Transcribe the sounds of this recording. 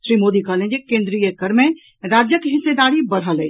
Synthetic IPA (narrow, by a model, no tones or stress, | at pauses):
ʃɾiːmoːd̪ikəɦlẽd͡ʒekẽːnd̪ɾijəkəɾmẽ | ɾaːd͡ʒjəkeɦɪsːed̪aːɾibəɽ̤ɦəle